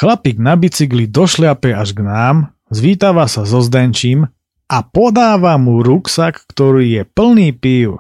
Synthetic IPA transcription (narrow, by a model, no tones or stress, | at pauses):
xlapiːɡnabit͡siɡlid̪ɔʃlɪapɛaʒɡnaːm | zʋiːt̪aʋasazɔzd̪ɛnt͡ʃiːm | apɔd̪aːʋamuɾuksakːt̪ɔɾiːjɛpl̩niːpiʊ